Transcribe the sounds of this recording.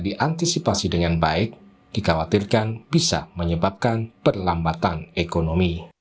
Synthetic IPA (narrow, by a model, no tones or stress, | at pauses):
diʔant̪isipasidəŋanbaɪk̚ | d̥ikawat̪irkanbisa̰məɲəbap̚kanpərlambat̪anekonomi